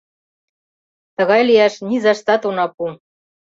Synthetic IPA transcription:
t̪ɤ̆ɣɑjliæʃnʲizɑʃt̪ɑt̪onɑpu

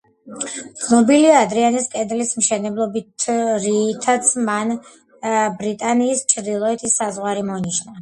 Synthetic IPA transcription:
d̪z̥nɔbiliaːd̪ɾianiskʼɛd̪lismʃɛnɛblˠɔbit̪ʰɾit̪ʰat̪sʰman | bɾit̪ʼaniːst͡ʃʰɾd̪ilˠɔɛt̪ʰisːazʁwaɾimɔniʃna

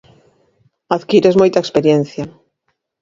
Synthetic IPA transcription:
aðkiɾezmojt̪aekspeɾjen̟θja

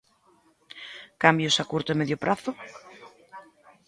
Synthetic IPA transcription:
kambjʊsakuɾt̪ʊemeðjʊpɾʔaθʊ

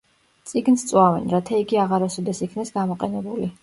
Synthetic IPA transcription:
t̪sʼiɡnst̪sʼwavɛ̰nɾat̪ʰaiɡiaʁaɾɔsɔd̪ɛsikʰnɛsɡamɔqʼɛnɛbuli

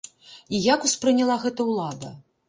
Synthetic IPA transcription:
ijakuspɾɨnʲɛlˠaɣɛt̪ɐwlˠad̪ɐ

